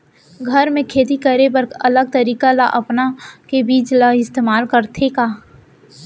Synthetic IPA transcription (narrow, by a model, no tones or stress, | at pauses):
ɡʱɐɾmẽkʰeːt̪ikɐɾebəɾɐləɡ̚t̪əɾiːkalaʔɐpnakebiːt͡ʃlaɪst̪eːmaːlkəɾt̪ʰekaː